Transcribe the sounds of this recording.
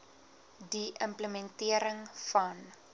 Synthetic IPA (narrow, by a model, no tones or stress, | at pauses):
diʔəmpləmɛntiəɾəŋfɐn